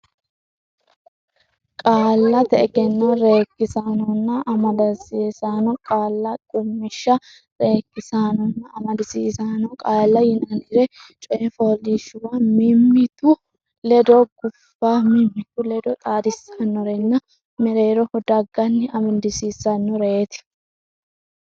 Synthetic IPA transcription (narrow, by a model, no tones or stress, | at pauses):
kʼaːlːɐt̪ɛɛɡɛnːɐɾe̞ːkːɪsaːnɔnːɐʔɐmɐd̪ɐsisaːnɔkʼaːlːɐkʼʊmːɪʃːɐ | ɾe̞ːkːɪsaːnɔnːɐːmɐd̪ɪsiːsaːnɔkʼaːlːɐjɪnɐnɪɾɛt͡ʃʼɔɛfoliʃʊwɐmɪmːɪt̪ʊ | lɛd̪ɔɡ̥ʊfːaːmɪmːɪt̪ʊlɛd̪ɔt̪ʼaːd̪ɪsːanːɔɾɛnːɐ | mɛɾe̞ːɾɔhɔd̪ɐɡːɐnːɪɐmɪnd̪ɪsiːsɐnːɔɾɛʔet̪ɪ̥